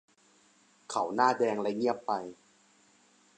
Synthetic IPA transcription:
kʰa˨˩˦wnaː˥˩dɛː˧ŋlɛ˦˥ŋi˥˩əpːa˧j

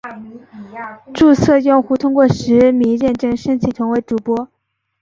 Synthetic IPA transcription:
ʈ͡ʂu˥˧sʰɤ˥˧jʊ˥˧ŋxu˥t̪ʰʊ˥ŋkwɔ˥˩ʂɻ̩˧˥mi˧˥ŋɻɛ˥˩nʈ͡ʂɤ˥ŋʂə˥ŋt͡ɕʰi˧˥˩t̪ʰʊ˧˥ŋwe˧˥ɪʈ͡ʂu˨˩pwɔ˥

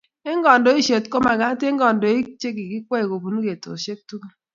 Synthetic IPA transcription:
e˦ŋ̩˦ɡɔ˨n̩˨do˦i˦ʃe˨tko˦ma˨ɡa˨˦te˦ŋ̩˦ɡɔ˨n̩˨do˨i˦t͡ʃe˦ɡi˨ɡi˦kʷe˦e˨ɡo˨bu˨nu˦ɡe˨to̰˨ʃe˦k̚tu˦ka˦

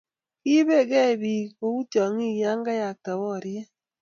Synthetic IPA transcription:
i˦be˦˨kɛ˦˨bi˨o˦u˦tjɔ˨ŋi˦˨ja˦ŋ˦ɡa˦ja˨k̚ta˨wɔ˦˨ɾje˦

